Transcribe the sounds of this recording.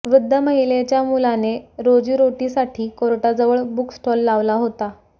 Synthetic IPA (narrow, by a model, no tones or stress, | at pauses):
ʋɾud̪ʱːəməɦilet͡ɕjamulaneɾod͡ʑiːɾoʈisaʈʰiːkoɾʈad͡zəʋəɭbuksʈʰɔlːaʋlaɦot̪a